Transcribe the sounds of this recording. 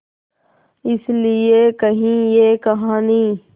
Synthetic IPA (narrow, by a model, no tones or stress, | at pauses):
ɪslɪekɐɦĩjeːkɐɦãːniː